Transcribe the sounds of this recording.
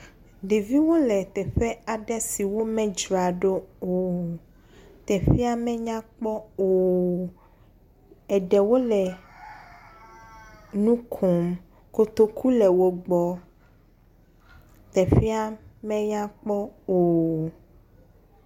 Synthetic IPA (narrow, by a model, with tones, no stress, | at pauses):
ɖe˨vi˦wo˦lɛ˨t̪ɛ˨ɸɛ˦a˨ɖɛ˦si˨wo˦mɛ̃˦d͡ʒɾa˨ɖo˦o˨ | t̪ɛ˨ɸi˦a˦mɛ̃˦ɲã˦k͡pɔ˦o˨ | ɛ˨ɖɛ˨wo˦lɛ˨ | nũ˦kʰo˨m | ko˨t̪o˦ku˦lɛ˨wo˦ɡ͡bɔ˦ | t̪ɛ˨fi˦a˦mɛ̃˦ɲã˦k͡pɔ˦o˨